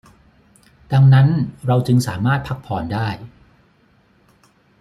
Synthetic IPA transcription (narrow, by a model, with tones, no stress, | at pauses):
da˧ŋna˦˥nɾa˧wt͡ɕɯ˧ŋsaː˩˦maː˥˩t̪̚pʰa˦˥k̚pʰɔː˨˩˦ndaː˥˩j